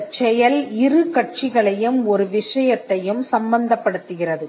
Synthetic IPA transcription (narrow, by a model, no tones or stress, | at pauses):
t͡ʃːɛjɐlɪrɯkɐʈ̚t͡ʃɪɣɐɭɐjɯmɔɾɯʋɪʂɐjɐt̪ːɐjɯmsɐmbɐnd̪ɐpːɐɽɯt̪ːɯɣɪrɐðɯ